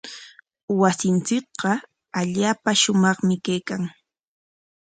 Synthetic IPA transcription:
wasɪnt͡sɪk̚qɑ | aʎaːpaʃʊmɑχmɪkajkaŋ

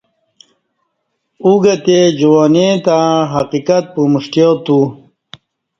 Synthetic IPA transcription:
uɡat̪ed͡ʑuwoːnet̪ãɦaqikat̪̚pumuʂʈjot̪u

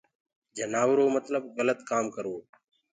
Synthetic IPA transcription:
d͡ʒənaːʋɾoːmət̪ləbɣələt̪kaːmkəɾoː

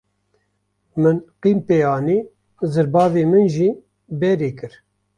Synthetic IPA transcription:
mɨnqiːmpeːjaːniː | zɨɾbɑːveːmɨnʒiː | bɛɾeːkɨɾ

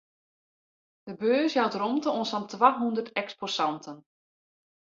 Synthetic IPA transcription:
d̥əbøːsjawtromtəonsantʋaɦundərtɛksposantʰən

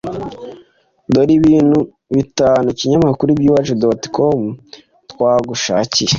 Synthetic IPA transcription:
doɾiβiːnhu | βitaːnuciɲamakuɾuibjuːβat͡ʃedoti̥komu | twaːɡuʃaːcije

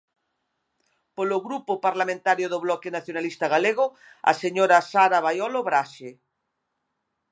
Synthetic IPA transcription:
poloɣɾupopaɾlamẽnt̪aɾjoðoβlɔkenaθjonalist̪aɣ̞aleɣ̞o | a̰seɲoɾasaɾaβajɔloβɾaʃe

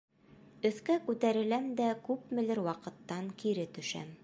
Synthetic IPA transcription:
ɵ̆θkækʉt̪æɾɘ̆læmd̪ækʉpmɘ̆lɘɾwɑqɤ̆t̪ːɑŋkiɾɘt̪ɵ̆ʃæ̰m

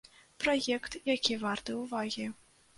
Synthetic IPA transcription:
pɾɔjɛkt̪jakʲivart̪ɨwvaɣʲi

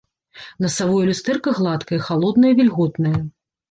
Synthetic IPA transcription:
nɐsavɔjɐlʲust̪ɛrkɐɣlˠat̪kɐjɐxalˠɔd̪nɐjɐvʲilʲɣɔt̪nɐjɐ

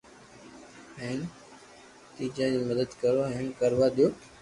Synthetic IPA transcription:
ɦɛːn | t̪iːt͡ʃaːd͡ʑiːməd̪əd̪kəɾoːɦẽːnkəɾʋaːɗ̪ɪjoː

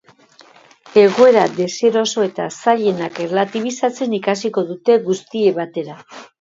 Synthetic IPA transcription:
e̞ɣo̞e̞ɾad̪e̞se̞ɾo̞so̞e̞t̪asaʎe̞nakerlat̪iβ̞isat͡se̞nikasiko̞ðut̪e̞ɣust̪ie̞βat̪e̞ɾa

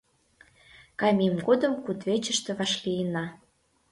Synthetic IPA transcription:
kɑmʲemɡod̪əmkut̪βet͡ɕə̆ʃt̪ĕβɑʃlijənɑ

